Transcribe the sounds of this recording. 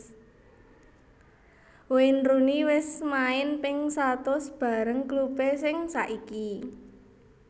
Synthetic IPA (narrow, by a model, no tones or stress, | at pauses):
wenruniwɪsmaɪnpɪŋsat̪ʊsb̥a̤ɾəŋklupesɪŋsaʔiki